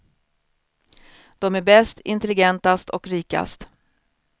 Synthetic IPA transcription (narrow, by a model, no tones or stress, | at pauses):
d̪̥ɔmæɾbɛst̪ɪnt̪ɛlɪɡɛnt̪ast̪ʰɔkɾiːka̰st̪